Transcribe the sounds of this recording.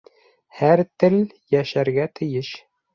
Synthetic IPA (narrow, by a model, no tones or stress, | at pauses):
hæɾt̪ɘl | jæʃæɾɡæt̪ʰɘ̆jɘʃ